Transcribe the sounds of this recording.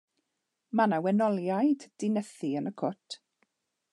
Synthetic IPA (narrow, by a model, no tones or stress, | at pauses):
manawɛnɔlˠjajdd̥ɪnəθiənəkʰʊtʰ